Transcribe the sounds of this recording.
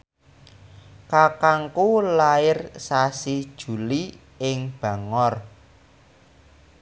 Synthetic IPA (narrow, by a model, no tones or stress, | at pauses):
kakaŋkulaɪrsasid̥ʒ̥ṳli | ɪŋb̥ä̤ŋɔr